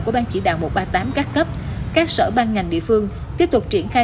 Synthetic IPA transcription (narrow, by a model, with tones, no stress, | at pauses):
ku˧˩əɓaː˧nt͡ɕḭ˧˩ɗa̰ː˧˨wmo˨˩t̚ɓaː˧t̪aː˨˦mkaː˦˥k̚kə˦˥p̚kaː˦˥k̚sə̰ː˧˩ɓaː˧nŋa˨˩jŋ̟ɗḭ˧˨əfɨ˧əŋ | t̪i˦˥əp̚t̪ʊ˨˩k͡p̚t͡ɕi˧˩ənxaː˧